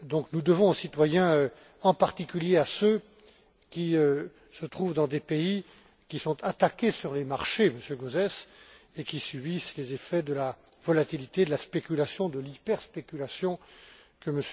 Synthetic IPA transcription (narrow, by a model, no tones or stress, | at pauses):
d̪ɔ̃knud̪əvɔ̃osit̪wajɛ̃ø | ɑ̃paʁt̪ikʲyljeasø | kʲiø | sət̪χuvd̪ɑ̃d̪epei | kʲisɔ̃t̪ʰat̪akʲesyʁlemaʁʃeməsjøɡozɛs | ekʲisɥibislezefɛd̪əla | vɔlat̪ilit̪ed̪əlaspekʲylasjɔ̃d̪əlipɛʁspekʲylasjɔ̃kəməs